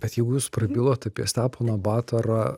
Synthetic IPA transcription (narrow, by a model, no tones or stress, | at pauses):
b̥ʲɛt̪jɛɪɡʊjuːsprɐbʲilˠoːt̪ɐpʲiɛst̪ʲæːpoːnɐbɑːt̪ɐɾɑ